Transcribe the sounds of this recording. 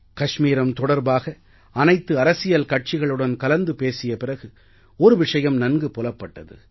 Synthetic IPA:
kɐʂmiːɾɐmt̪ɔɽɐɾbaːɣɐ | ɐnɐɪt̪ːɯɐɾɐsɪjɐlkɐʈ̚t͡ʃɪɣɐɭɯɽɐnkɐlɐnd̪ɯpeːsɪjɐpɪrɐɣɯ | ɔɾɯʋɪʂɐjɐmnɐnɡɯpɔlɐpːɐʈːɐðɯ̰

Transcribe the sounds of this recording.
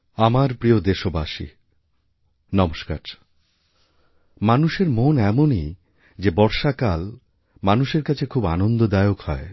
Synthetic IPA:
amaɾpɾiod̪eʃobaʃḭ | nɔmoʃka̰ʈ | manuʃeɾmonɛmoni | d͡ʑebɔɾʃakal | manuʃeɾkat͡ɕʰekʰubanond̪od̪aeokhɔe

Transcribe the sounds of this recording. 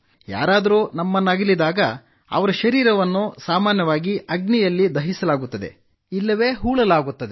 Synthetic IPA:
ja̰ːɾaːd̪ɐɾunɐmːɐnːaːɡilid̪aːɡɐ | ɐ̰ʋɐɾɐʃɐɾiːɾɐʋɐnːusaːmaːnjɐʋaːɡiʔɐɡnijɐlːid̪ɐɦisɐlaːɡut̪ːɐd̪e̞̰ | ilːɐʋe̞ːɦuːɭɐlaːɡut̪ːɐd̪e

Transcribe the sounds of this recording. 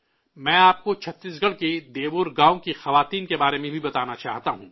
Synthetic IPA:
mɛ̃ːaːp̚kot͡ʃʰɐt̪ːiːsɡɐɽked̪eːʋʊɾɡãːõkixɐʋaːt̪iːnkebaːɾemẽbʱibɐt̪aːnat͡ʃa̰ːɦt̪aɦũː

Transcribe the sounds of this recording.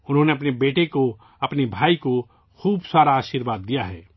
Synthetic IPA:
ʊnɦõneɐpnebeːʈeko | ɐpnebʱaːiko | xuːbsaːɾaaːʃɪɾʋaːd̪ːijaɦɛː

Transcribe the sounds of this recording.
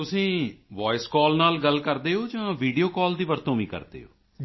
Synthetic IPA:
t̪ʊsĩːʋɔːɪskɔːlnaːlɡəlkəɾd̪eːoːd͡ʒãːʋiːɖijoːkɔːld̪iːʋəɾt̪õːʋĩːkə̰ɾd̪ḛːo̰ː

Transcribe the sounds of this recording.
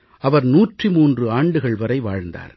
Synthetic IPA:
ʔɐʋɐɾnuːʈrimuːndrɯaːɳɖɯɣɐɭʋɐɾɐɪʋa̰ːɻnd̪a̰ːɾ

